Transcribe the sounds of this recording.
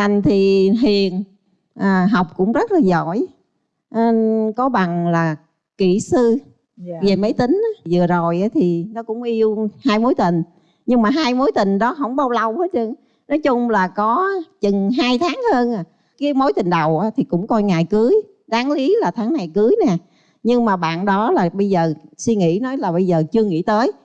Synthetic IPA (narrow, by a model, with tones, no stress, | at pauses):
t̪a˨˩ŋt̪ʰi˨˩ɦi˨˩ən | ʔəː˨˩ɦa˨˩wk͡p̚kʊ̰˧˥ŋ͡mzə˦˥t̚laː˨˩zɔ˧˩˨j | ʔə˧kɔ˨˦ɓa˨˩ŋlaː˨˩ | ki˧˩sɨ˧ | ve˨˩mə˨˦jt̪ï˨˦ŋ̟ʔaː˨˦zɨ˨˩əzo˨˩jʔaː˨˦t̪ʰi˨˩nɔ˨˦kʊ̰˧˥ŋ͡mʔi˧əwhaː˧jmo˨˦jt̪ï˨˩ŋ̟ | ɲɨ˧ŋmaː˨˩ɦaː˧jmo˨˦jt̪ï˨˩ŋ̟ɗɔ˨˦ɦə˧˥wŋ͡mɓa˧wla˧whə˨˦t͡ɕɨ˧əŋ | nɔ˨˦jt͡ɕʊ˧ŋ͡mlaː˨˩kɔ˨˦t͡ɕɨ˨˩ŋɦaː˧jt̪ʰaː˨˦ŋhəː˧naː˨˩ | kiː˨˦mo˨˦jt̪ï˨˩ŋ̟ɗə˨˩wʔaː˨˦t̪ʰi˨˩kʊ̰˧˥ŋ͡mkɔ˧jŋaː˨˩jkɨ˨˦j | ɗaː˨˦ŋli˨˦laː˨˩t̪ʰaː˨˦ŋna˨˩jkɨ˨˦jnɛ˨˩ | ɲɨ˧ŋmaː˨˩ɓa̰ː˧˨nɗɔ˨˦laː˨˩ɓə˧jzəː˨˩swi˧ŋḭ˧˥nɔ˨˦jlaː˨˩ɓə˧jzəː˨˩t͡ɕɨ˧əŋḭ˧˥t̪əː˨˦j